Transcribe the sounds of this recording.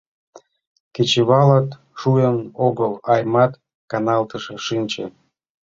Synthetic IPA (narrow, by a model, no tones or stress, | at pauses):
ket͡ɕeβɑlɑt̪ | ʃujənoɣəlɑjmɑt̪ | kɑnɑlˠt̪əʃĕʃɨnʲt͡ɕḛ